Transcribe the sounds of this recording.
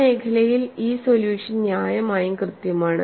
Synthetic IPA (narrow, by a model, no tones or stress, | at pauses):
e̞ːkʰɐlɐjiliːsoljuːʂɐnnjaːjɐmaːjumkrɨt̪jɐmaːɳɨ